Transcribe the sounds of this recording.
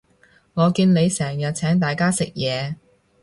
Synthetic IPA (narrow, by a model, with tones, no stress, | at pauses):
ŋɔː˨˧kiː˧nne˨˧jsɛː˨˩ŋjɐ˨t̚t͡sʰɛː˨˥ŋt̪aː˨jkaː˥sɪ˨k̚jɛː˨˧